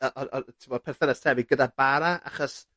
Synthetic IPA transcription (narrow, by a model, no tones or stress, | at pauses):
ʔɔɔtʰɪbɔpʰɛrθənɛstʰɛvɪɡədabaɾaa̰χɔs